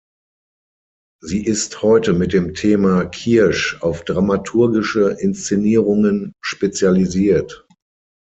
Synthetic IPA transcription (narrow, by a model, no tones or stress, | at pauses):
ziːʔɪsthɔʏtəmɪt̚d̥eːmtʰeːmakʰiɐʃaʊfd̥ʁamatʰuɐɡɪʃəʔɪnst͡seniːʁʊŋənʃpet͡sjaliziːɐt